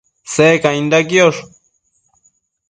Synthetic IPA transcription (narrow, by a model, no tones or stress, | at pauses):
sekaĩnd̪akjoʂ